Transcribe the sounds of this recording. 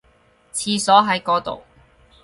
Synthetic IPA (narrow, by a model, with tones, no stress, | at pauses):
t͡sʰiː˧sɔː˨˥ɦɐ˨˥jkɔː˧t̪o̰˨w